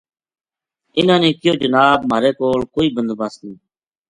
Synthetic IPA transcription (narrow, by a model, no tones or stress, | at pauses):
ɪnãːnẽːkɪjoːd͡ʒənaːbmaːɾeːkoːɭkoːiːbənd̪baːsniː